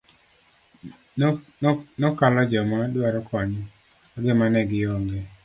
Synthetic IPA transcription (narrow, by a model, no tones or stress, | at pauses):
nɔkalɔd͡ʒɔmadwaɾɔkʰɔɲ | ɡemanɛɡɪjɔŋɡɛ